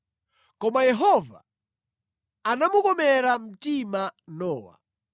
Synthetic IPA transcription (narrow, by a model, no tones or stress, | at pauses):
kɔmajɛɦɔva̰ | anamukɔmɛɾam̩timanɔːwa̰